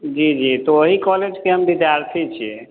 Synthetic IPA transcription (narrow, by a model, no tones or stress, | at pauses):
d͡ʒid͡ʒit̪ooɦikɔled͡ʒkeɦəmd̪it͡ʃaɾtʰit͡ʃʰḭ